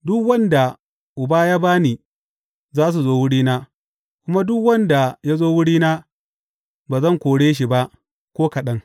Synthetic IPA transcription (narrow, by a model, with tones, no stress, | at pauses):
dʊ˦kwɐ˦nda˨ | ʔʊ˨baː˦jaː˦baː˦niː˨ | zaː˦s̬u˨zoː˦wʊ˦ɽiː˦naː˦ | kʷʊ˦ma˦dʊ˦kwɐ˦nda˨ja˦zoː˦wʊ˦ɽiː˦naː˦ | baː˨zɐ˦˨ŋkʷoː˨ɽeː˦ʃ̬i˨ba˦ʔ | kʷoː˦kɐ˨ɗɐ˦ŋ